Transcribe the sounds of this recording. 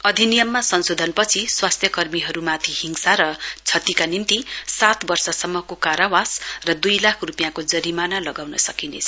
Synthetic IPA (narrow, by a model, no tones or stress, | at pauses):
ʌd̪ʱinijʌmːasʌnsod̪ʱʌnpʌt͡sʰiswast̪ʰjʌkʌrmiɦʌɾumat̪ʰihiŋsaɾʌt͡sʰʌt̪ikanimt̪isat̪bʌrsʌsʌmːʌkokaɾawasrʌd̪ujlakʰrupijãkod͡zʌɾimanalʌɡawnʌsʌkinḛt͡sʰ